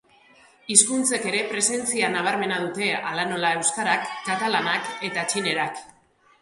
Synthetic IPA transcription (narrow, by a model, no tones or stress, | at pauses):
iskunt͡se̞ke̞ɾe̞pɾe̞se̞nt͡sianaβ̞aɾme̞nað̞ut̪e̞alano̞lae̞wskaɾakːat̪alanake̞t̪at͡ʃine̞ɾak